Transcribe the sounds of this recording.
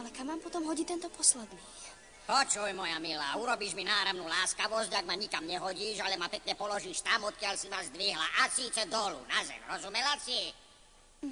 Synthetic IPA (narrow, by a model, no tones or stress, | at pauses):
alɛkamːaːmpɔt̪ɔmɦɔɟit̪ɛnt̪ɔpɔslɛd̪niː | pɔt͡ʃujmɔjamila̰ːuɾɔbiːʒminaːɾamnuːlaːskaʋɔzɟaɡmaɲikamɲɛɦɔɟiːʒalɛmapɛkɲɛpɔlɔʒiːʃt̪amɔt̪̚kɪaʎsimazd̪ʋiɦla̰ʔasiːt͡sɛd̪ɔlṵnazɛ̰mɾɔzumɛlasi